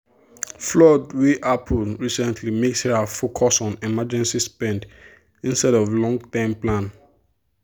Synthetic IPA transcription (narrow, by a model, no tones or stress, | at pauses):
flɔdwiʔapʰəlɹisɛ̃ntʰlimeksəfokʰɔsɔ̃nɛmad͡ʒɛ̃nsispɛ̃nd | ĩnstɛɾɔvlɔ̃ŋɡtɛ̃mplãn